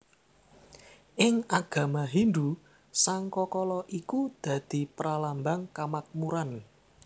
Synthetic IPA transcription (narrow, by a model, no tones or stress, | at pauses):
ʔɪŋaɡ̥ä̤maɦind̪u | saŋkɔkɔlɔʔikud̪̥ä̤d̪̥i̤pəɾalambaŋkamak̚muɾan